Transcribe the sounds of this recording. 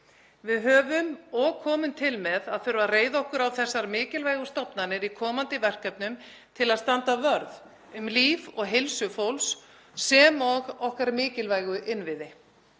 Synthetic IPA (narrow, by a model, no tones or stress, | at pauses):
vɪðɦœːvʏmɔɣkʰɔːmʏnt̪ʰɪlmɛðaðfʏɾvareːjðɔhkʏɾawθɛsːaɾmɪːcɪlvaːjɣʏ̥st̪ɔwpnanɪɾikʰɔːmant̪ɪvɛr̥kœpnʏm | t̪ʰɪlaðst̪ant̪avœɾð | ʏmliːvɔɣɦɪlsʏfowlsː | ɛmɔɣɔhkaɾmɪːcɪlvajɣʏʔɪnvɪðɪ